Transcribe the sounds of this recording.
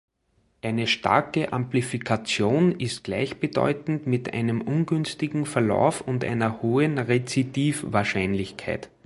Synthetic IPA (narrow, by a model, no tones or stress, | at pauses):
ʔæɪnəʃta̰ɐkəʔã̰mplifikʰat͡sjoːnɪst̚ɡ̥læ̰ɪçb̥ədɔ̰ʏtn̩tmɪtʔæ̰ɪnəmʔʊnɡʏnstɪɡŋ̩fɛɐla̰ʊfʊntʔæ̰ɪnɐhoːənʁet͡sidiːfvaɐʃæɪnlɪçkʰæɪt